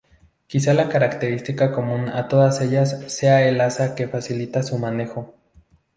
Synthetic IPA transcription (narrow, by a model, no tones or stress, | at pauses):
kisalakaɾakt̪e̞ɾist̪ikako̞mũnat̪o̞ðase̞ʝasːe̞aelasake̞fasilit̪asumane̞xo̞